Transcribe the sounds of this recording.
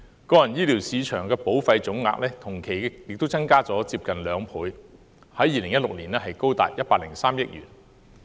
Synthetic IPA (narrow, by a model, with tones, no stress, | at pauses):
kɔː˧jɐ˨˩njiː˥liː˨˩wsiː˨˧t͡ʃʰœː˨˩ŋkɛː˧po˨˥wfɐ˧jt͡sʊ˨˥ŋŋa̰ː˧k̚lɛː˥t̪ʰʊ˨˩ŋkʰe˨˩jjɪ˨k̚t̪o˥wt͡sɐ˥ŋkaː˥t͡sɔː˨˥t͡siː˧p̚kɐ˨nlœː˨˧ŋpʰuː˨˧j | hɐ˨˥jːiː˨˧lɪ˨˩ŋjɐ˥t̚lʊ˨k̚liː˨˩nɛː˥ɦɐ˨jko˥wt̪a̰ː˨t̚jɐ˥t̚paː˧k̚lɪ˨˩ŋsaː˥mjɪ˥k̚jy̰ː˨˩n